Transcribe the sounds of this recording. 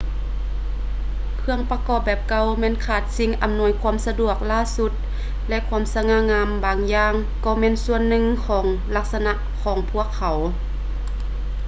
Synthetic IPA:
kʰɯ˧əŋpa˧kɔː˧˩p̚bɛː˨˩p̚ka˧˩wmɛː˧˥˨nkʰaː˧˩t̪̚si˧˥ŋʔa̰˧˦mnu˧ə˦jkʰu˧˥ə˨msa˧du˧˩ək̚laː˧˥˨su˧˥t̪̚ | lɛ˧ʔkʰu˧˥˨msa˧ŋaː˧˨ŋaː˧˥mbaː˨˩ŋjaː˧ŋ | kɔː˧˩mɛː˧˥˨nsu˧ənːɯ˧˨ŋkʰɔː˨˩˦ŋ | la˧˥k̚sa˧na˧ʔkʰːɔː˨˩˦ŋpʰu˧˩əkʰːa˨˦w

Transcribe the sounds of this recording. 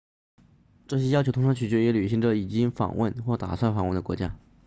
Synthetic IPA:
ʈ͡ʂɤ˥˩ɕjɛ˥jɑ˥t͡ɕʰo˧˥ʊt̪ʰʈ͡ʂʰɑ˧ŋt͡ɕʰy˨˩t͡ɕɥɛ˧˥jɛ˧˥ly˨˩i˧˥ŋʈ͡ʂə˨i˨˩t͡ɕi˥ŋfɑ̰˨˩ŋwə̰˥˧nxwɔ˥˩t̪a̰˨˩swa˥˩nfɑ˨˩ŋwə˥˩nd̪ə˩kwɔ˧˥t͡ɕja̰˥

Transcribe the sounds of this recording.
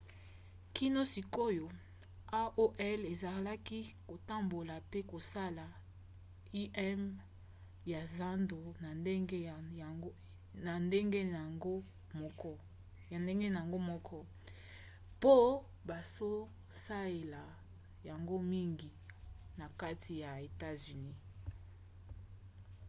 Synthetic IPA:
ki˦no˦si˨ko˦jo˨ | a˦ʔo˦ʔɛ˦le˨za˨la˦ki˦ko˨ta˦mbo˨la˨pe˦ko˨sa˦la˨ | i˦ʔɛ˦m | ja˨za˦ndo˨na˨˦˨ | na˨nde˦ŋɡe˦˨ɡo˦ | mɔ˦kɔ˦ | a˨nde˦ŋɡe˦na˨a˨ŋɡo˦mɔ˦kʰɔ˦ | po˦ | ba˨zo˦ | sa˦le˨la˨ | ja˨ŋɡo˦mi˦ŋɡi˨na˨ka˦tʰi˨ja˨e˨ta˦zy˨ni˦

